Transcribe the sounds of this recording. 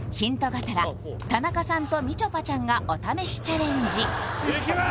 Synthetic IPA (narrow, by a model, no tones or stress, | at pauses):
çĩnt̪o̞ɡat̪aɾa | t̪anakasãnt̪o̞mʲit͡ɕo̞pat͡ɕãŋɡaʔo̞t̪ame̞ɕi̥t͡ɕaɾẽ̞ɲd͡ʑi